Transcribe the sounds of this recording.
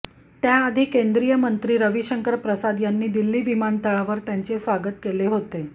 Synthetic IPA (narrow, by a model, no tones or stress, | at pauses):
t̪jaːd̪ʱiːkend̪ɾijəmənt̪ɾiːɾəʋiɕəŋkəɾpɾəsad̪janːiːd̪ilːiːʋimant̪əɭaʋəɾt̪jaɲt͡ɕesʋaɡət̪keleɦot̪e